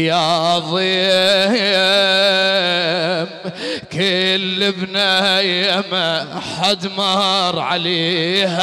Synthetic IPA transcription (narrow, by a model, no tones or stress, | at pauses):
jɑðˤiː | mkelːɪbnajamaħad̪mɑɾˤʕaleːh